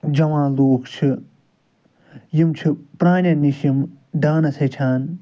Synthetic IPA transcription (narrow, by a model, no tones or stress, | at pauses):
d͡ʒɐwãːloːkt͡ʃʰi | jimt͡ʃʰipɾaːɳʲɐniʃjim | ɖaːnɐsɐt͡ʃʰaːn